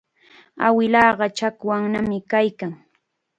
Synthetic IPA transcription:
a̰wɪlɑːɢɑt͡ʃakwaŋnamɪkajkaŋ

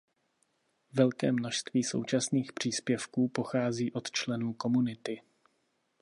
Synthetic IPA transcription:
vɛlkɛːmno̞ʃst̪viːso̞̰wt͡ʃasniːxpr̝̥iːspjɛfkuːpo̞xaːziːʔo̞t̪t͡ʃlɛnuːko̞munɪt̪ɪ

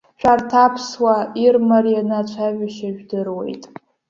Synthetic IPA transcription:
t͡ʃʷʰʼartʰapʰswairmaɾijanat͡ʃʷʰaʒᶣaʃaʒᶣdɨrwe̞̰jtʼ

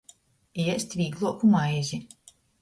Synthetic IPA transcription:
iɛsʲt̪ʲvʲiːɡlˠuɔkumajzʲi

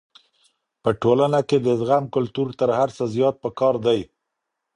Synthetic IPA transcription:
pəʈolanaked̪əzɣamkʊlt̪uɾt̪əɾhaɾsəzjɑt̪̚pəkɑɾd̪aj

